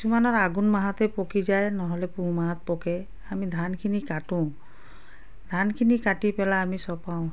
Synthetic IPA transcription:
kiisumanɔɹaɡunmaɦat̪ɛpokizajnɔɦɔlɛpũmaɦat̪̚pɔkɛ | amid̪ʱankʰinikatʊ̃ | d̪ʱankʰinikatipɛlaːmisɔpaʊ̃

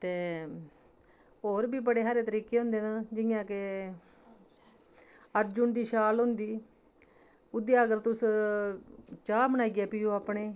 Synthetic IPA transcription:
t̪eː | oːɾbiːbəɽeːɦaːɾeːt̪əɾiːkeːɦʊ̃ːnd̪eːnãːd͡ʒɪjãːke | əɾd͡ʒʊnd̪iːʃaːlɦʊ̃nd̪iː | ʊd̪ejaːəɡəɾt̪ʊs | t͡ʃaːmənaːiːɡɪjaːpiːoːaːpɳeː

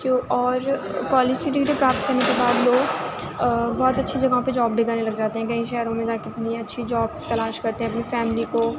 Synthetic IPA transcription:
koɔːɾ | kɔːleːd͡ʒkiʈɪkʈipɾaːp̚t̪̚kɐɾnekebaːd̪loːɡ | bɔːt̪ɐtːʃʰid͡ʒɐɡaõped͡ʒɔːbːɪɡaːnelɐɡd͡ʒaːt̪eɦɛ̃kɐɦĩʃɛːɾõmẽt̪akɪt̪niɐtːʃʰid͡ʒɔːb̚t̪ɐlaːʃkɐɾt̪eɦɛ̃ɐpnifɛːmɪliko

